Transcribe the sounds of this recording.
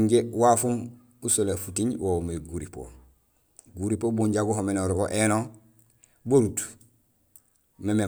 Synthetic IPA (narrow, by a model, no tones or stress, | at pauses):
ɟewafum | usolefutiɲwomeɡuɾipo̰ | ɡuɾipobuɲɟaɡuɦomenoɾɡoʔeno | boɾut | meme